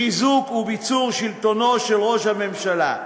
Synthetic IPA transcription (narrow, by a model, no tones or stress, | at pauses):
izukubit͡suʁʃilt̪o̞no̞ʃe̞lʁo̞ʃhame̞mʃala̰